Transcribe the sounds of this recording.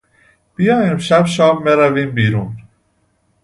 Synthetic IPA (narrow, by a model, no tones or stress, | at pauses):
b̥ijɒːjimʃæbʃɒːbːeɾæviːmbiːɾuːn